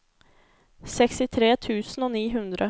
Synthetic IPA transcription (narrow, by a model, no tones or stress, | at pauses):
sɛkst̪ɪt̪ʰɾeːt̪ʰʉ̟ːsənɔniːɦɵnd̪ɾə